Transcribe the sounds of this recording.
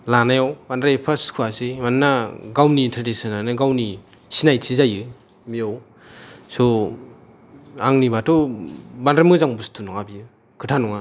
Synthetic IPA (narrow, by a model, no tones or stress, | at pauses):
lanajawbandɾapʰaskʰuasimannːaɡawnintʰaɾdisɯnanɯɡawni | sinajtʰizajɯ | mijaw | sɔ | aŋnibatʰɔbandɾamɯzaŋbustʰunɔŋabijɯ | kʰɯtʰanɔŋa